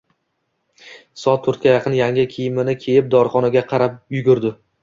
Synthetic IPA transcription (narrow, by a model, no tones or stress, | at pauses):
sɒt̪ʰːʊɾt̪̚kʲajɑqʰɨnjaŋʲɪkʲʰijɪmɪnɪkʲʰe̞jɪp̚d̪ɒɾχɒnaɡʲaqʰɑɾap̚jʊɡʲʊɾd̪ɪ